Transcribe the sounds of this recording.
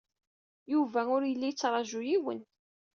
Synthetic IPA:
juvæʊɾjəlːijət͡sːɾˤɑʒujiwə̰n

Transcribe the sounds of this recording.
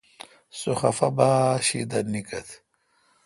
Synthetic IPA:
soxɐfɐbaːɕḭd̪ɐnikɐt̪ʰ

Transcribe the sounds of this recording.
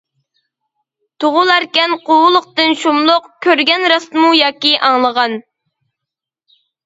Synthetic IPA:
t̪ʰoʁʊlˠæɾkʲɛnqʰowʊlˠʊq̚t̪ɨnʃumlˠʊqkʲʰøɾɡʲɛnɾɑst̪mujɑːkʲiʔɑŋlˠəʁɑn

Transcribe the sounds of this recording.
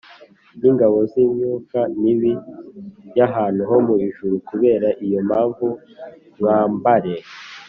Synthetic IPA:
niŋɡaβo̞ziːɲɲuːkaniβi | jaɦaːn̥uɦo̞muβiʒuɾukuβe̞ːɾaʔijo̞maːɱvu | waːmbaɾe̞

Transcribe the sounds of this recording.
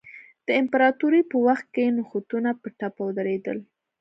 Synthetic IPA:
d̪̥əɪmpaɾɑt̪uɾipəwaxt̪̚kenʊxut̪unapəʈapad̪aɾed̪ə̰l

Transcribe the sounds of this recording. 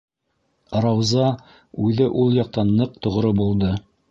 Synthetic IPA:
rɑwzɑ | ʉðɘʔulˠjɑq̚t̪ɑnːɤq̚t̪ŏʁɾobulˠd̪ɤ

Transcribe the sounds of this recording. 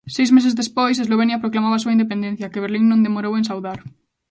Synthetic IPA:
sejzmesezðespojs̬ezloβ̞enjapɾoklamaβaːsuaind̪ep̬end̪ẽn̟θjakeβ̞eɾliŋnõnd̪emoɾowensawðaɾ

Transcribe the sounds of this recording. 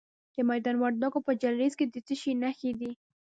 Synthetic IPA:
d̪̥əmajd̪ɑnwaɾd̪ɑɡopəd͡ʒalɾezked̪ət̪əʃinaxed̪i

